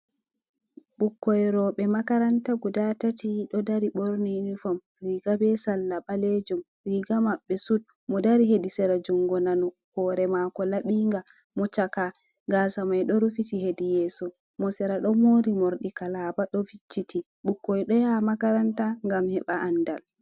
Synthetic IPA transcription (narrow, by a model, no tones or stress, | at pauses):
ɓukːɔjɾɔɓɛmakaɾantaɡudatatiɗɔdaɾiɓoɾninifɔm | ɾiɡabɛsalːaɓaled͡ʒum | ɾiːɡamaɓːɛsud̚ | mɔdaɾiɦedisɛɾad͡ʒuŋɡɔnanɔ | hɔːɾɛmakɔlaɓiŋɡa | mɔt͡ʃaka | ɡaːsamajɗɔɾufitiɦedijɛːsɔ | mɔsɛɾaɗɔmoːɾimoɾɗikalaːbaɗɔfit͡ʃːiti | ɓukːɔjɗɔjamakaɾantaŋɡamhɛɓaʔandal